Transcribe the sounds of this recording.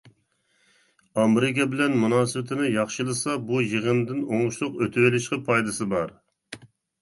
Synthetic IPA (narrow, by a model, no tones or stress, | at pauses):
ɑmɾɪkʲɛbɪlɛnmunɑːsɨwɪt̪ʰɪnɪjɑχʃɨlˠɨsɑbujəʁənd̪ɪnoŋʁʊʃlˠʊqøt̪ʰɪwɪlɪʃqəpʰɑjd̪ɨsɨbɑɾ